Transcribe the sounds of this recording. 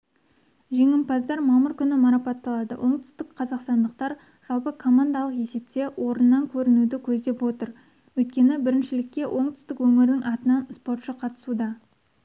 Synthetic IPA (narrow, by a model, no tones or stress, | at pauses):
ʒe̞ŋɪmpɑzd̪ɑɾmɑməɾkʲʰʏnɪmɑɾɑpɑt̪ːɑlˠɑd̪ə̰wʔo̞ɴt̪ʏ̥st̪ɪkqʰɑzɑqst̪ɑnd̪əq̚t̪ɑɾ | ʒ̥ɑlˠpəkʰo̞mand̪ɑlˠəqe̞se̞p̚t̪e̞wʔo̞ɾənːɑŋkʲʰɵɾɪnud̪ɪkʲʰɵzd̪e̞pwo̞t̪əɾ | wɵjt̪̚kʲe̞nɪbɪɾɪnʃɪlɪkʲːe̞wʔo̞ɴt̪ʏ̥st̪ɪkwɵmɪɾnɪŋʔɑt̪ənɑnspo̞rt̪ʃəqʰɑt̪ə̥sud̪ɑ